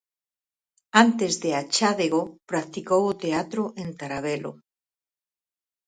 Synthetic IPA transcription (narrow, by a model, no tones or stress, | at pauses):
ant̪ezðeat͡ʃaðeɣopɾak̚t̪ikowot̪eat̪ɾoʔẽnt̪aɾaβ̞elo̰